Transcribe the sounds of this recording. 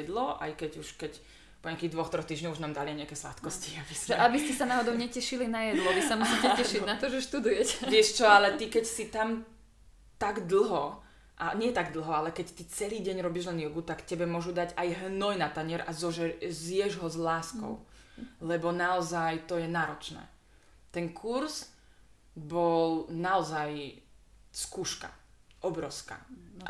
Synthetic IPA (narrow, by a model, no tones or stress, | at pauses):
ɛd̪lɔʔa̰jkɛɟuʃkɛc | pɔɲɪakiːɣd̪ʋɔxt̪ɾɔxt̪iːʒɲɔɣuʒnaːmd̪aliajɲɛakɛːsla̰t̪kɔsciabisɛabiscisanaːɦɔd̪ɔʊɲɛcɛʃilinajɛd̪lɔʋisamusicɛcɛʃinat̪ɔʒɛʃt̪ud̪ujɛcɛ̥ʋɪɛʃt͡ʃɔalɛt̪ikɛcsit̪am | t̪aɡd̪l̩ˠɦɔ | ʔaɲɪɛt̪aɡd̪l̩ˠɦɔalɛkɛct̪it͡sɛliːɟɛɲɾɔbiʒlɛnɪɔɡut̪akcɛbɛmʊɔʒud̪aɟajɦnɔjnat̪aɲɪɛɾʔazɔʒɛzɪjɛʒɦɔzlaːskɔ̰ʊlɛbɔnaɔzajt̪ɔjɛnaːɾɔt͡ʃnɛ̰ː | t̪ɛŋkʰuɾz | bɔlnaɔzaj | skuːʃka̰ | ʔɔbɾɔʊska̰